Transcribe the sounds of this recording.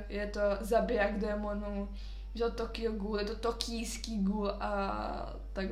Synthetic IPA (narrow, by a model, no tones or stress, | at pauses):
jɛt̪ozabɪaɡd̪ɛmonu | ʒɛt̪t̪okɪoɡuːljɛt̪ot̪okʰiːskiːɡulʔa̰ | t̪aɡ